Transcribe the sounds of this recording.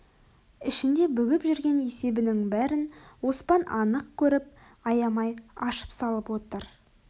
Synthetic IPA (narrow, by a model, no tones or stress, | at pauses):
ɪʃɪnd̪e̞bʏɡʲɪpʒʏɾɡʲe̞ne̞se̞bɪnɪŋbæɾɪnwo̞spɑnʔɑnəq̚kʲʰɵɾɪp̚ | ɑjɑmɑjɑʃə̥psɑlˠəpwo̞t̪əɾ